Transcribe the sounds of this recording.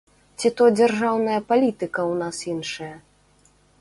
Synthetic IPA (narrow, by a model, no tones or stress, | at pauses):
t͡sʲit̪ɔd͡zʲarʐawnɐjɐpalʲit̪ɨkɐwnasinʂɐjɐ